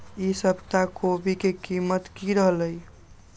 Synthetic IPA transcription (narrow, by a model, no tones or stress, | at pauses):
isəbt̪akobikekimət̪kiɾəɦləj